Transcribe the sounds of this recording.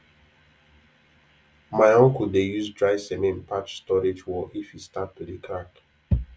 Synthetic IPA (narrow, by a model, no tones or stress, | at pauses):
maɪɔ̃ŋkuldejuzdɹaɪsɛmẽnpʰat͡ʃstɔɹed͡ʒwɔʔifhistap̚tudikʰɾãk